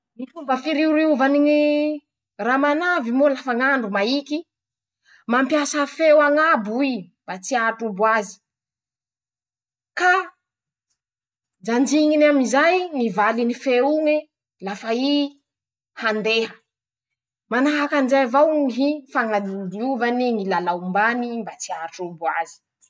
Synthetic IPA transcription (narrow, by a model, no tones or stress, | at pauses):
mifumbəfiɾiuɾiuvaniŋi | ramanavimolafaŋaɳɖ͡ʐumaiki | mampjasəfewaŋabuib̥at͡siaʈ͡ʂubuazi̥ | ka | d͡zand͡ʒiŋinamizajnivalinifeuŋe | lafai | hand̪eɦə | manaɦakanizajvawŋɦifaŋad̪id̪iuvaniŋilalaumbanimbat͡siaʈ͡ʂubuazi̥